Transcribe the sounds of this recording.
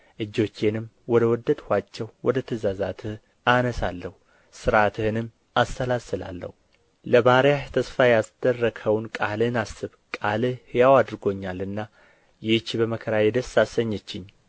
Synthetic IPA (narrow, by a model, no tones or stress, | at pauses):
ʔɨd͡ʒːo̞t͡ʃːenɨm | wɔd̪əwɔd̪ːəd̪hʷat͡ʃːɛwwɔd̪ət̪ʰəzazat̪ʰɨh | anəsalːəhu | sɨɾat̪ʰɨhɨnɨm | ast̪əlasɨla̰lːə̰hu | ləbaɾjaʃt̪ʰəsfajasd̪̥ərːəɡʰəwnkʼalɨnasːɨβkʼalɨhɨjawad̪ɨɾɡo̞ɲːalɨnːa | jɪt͡ʃːbəməkʰəɾajɛd̪əsasəɲːɛt͡ʃːɪɲ